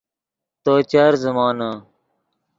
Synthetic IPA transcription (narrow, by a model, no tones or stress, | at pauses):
t̪oːt͡ɕaːɾzəmaːna